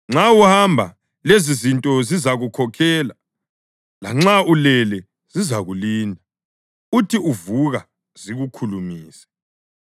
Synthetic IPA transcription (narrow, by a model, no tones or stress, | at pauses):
ŋ͡ǁawuhambʱa | lezizintʼɔzizaɣukʰɔkʰɛːla | la̰ŋ͡ǁaulɛlɛ | z̥izaɣuliːndʱa | utʰiʔuvuɣa | z̥iɣukʰulumiːsɛ̥